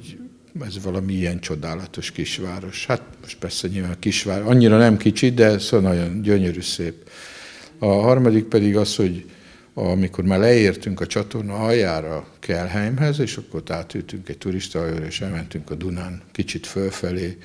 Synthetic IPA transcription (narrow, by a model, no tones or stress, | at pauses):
ɟ | ɛzʋɒlɒmiiɛnt͡ʃo̞d̪aːlɒt̪o̞ʃkiʃʋaːɾo̞ʃhat̪moʃt̪̚pɛrsɛɲiːlvaːnkiʃʋaːɾɒɲːiɾɒnɛmkit͡ʃit̪̚d̪ɛsoɒnɒɟo̞nɟøɲøɾyːseːp | ɒɦɒrmɒd̪ik̚pɛd̪iɡɒsho̞ɟ | ɒmiko̞rmaːrlɛeːrt̪yŋkɒt͡ʃɒt̪o̞rnɒɒjaːɾɒkʰɛlɦɛjmɦɛzeːʃɒkːorot̪aːt̪ylt̪yŋkɛɟ̚t̪uɾiʃt̪ɒjøɾeːʃɛlmɛnt̪yŋkɒd̪unaːnkit͡ʃit̪følfɛleː